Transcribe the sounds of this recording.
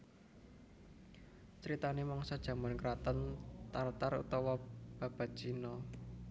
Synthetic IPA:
t͡ʃəɾit̪anemɔŋsɔd̥ʒ̥ä̤mankɾat̪ənt̪art̪aɾṵt̪ɔwɔb̥a̤b̥a̤t̪̚ʒ̥inɔ

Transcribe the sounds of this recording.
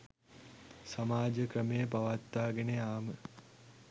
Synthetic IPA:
samaːd͡ʒəkrəmejəpaʋat̪ːaːɡeneaːmə

